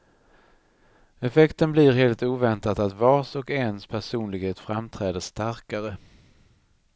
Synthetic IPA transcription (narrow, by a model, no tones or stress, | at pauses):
ɛfɛkt̪ənblɪɾɦeːlt̪uːvɛnt̪at̪at̪vɑːʂɔkɛnspʰæʂuːnlɪɡheːt̪fɾamt̪ʰɾɛːd̪əʂst̪aɾkaɾə